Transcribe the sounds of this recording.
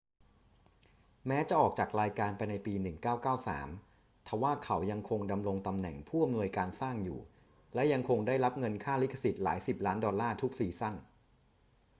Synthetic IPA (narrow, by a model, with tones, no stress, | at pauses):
mɛː˦˥t͡ɕa˨˩ʔɔː˨˩k̚t͡ɕaː˨˩k̚ɾaː˧jkaː˧npa˧jna˧jpiː˧nɯ˨˩ŋkaː˥˩wkaː˥˩wsa̰ː˩˦m | t̪ʰɛ˨˩waː˥˩kʰa˩˦wja˧ŋkʰo˧ŋda˧mɾo˧ŋt̪a˧mnɛ̰˨˩ŋpʰuː˥˩ʔa˧mnu˧əjkaː˧nsaː˥˩ŋjṵː˨˩ | lɛ˦˥ja˧ŋkʰo˧ŋdaː˥˩jɾa˦˥p̚ŋɤ˧nkʰaː˥˩li˦˥kʰa˧si˨˩t̪̚laː˩˦jsi˨˩p̚laː˦˥ndɔː˧lːaː˥˩t̪ʰu˦˥k̚siː˨˩sa˥˩n